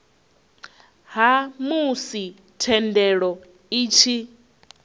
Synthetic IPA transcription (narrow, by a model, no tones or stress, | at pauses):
ɦamusi | tʰɛndɛɺɔ | iːt͡ʃʰi